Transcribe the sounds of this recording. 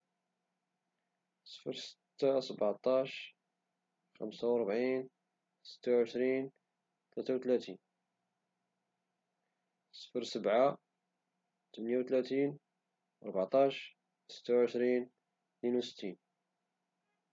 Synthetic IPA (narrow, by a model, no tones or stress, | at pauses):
sˤə̥fəɾsə̥t̪ːasəbɑʕt̪ˤɑʃ | xə̰msawɑɾˤbʕin | sə̥t̪ːawʕəʃɾin | t̪læt̪awt̪læt̪in | sˤə̥fəɾsəbʕa | t̪əmənjawt̪læt̪in | ʔɑɾˤbʕt̪ˤɑʃ | sə̥t̪ːawʕəʃɾin | t̪ninuwsə̥t̪ʰːin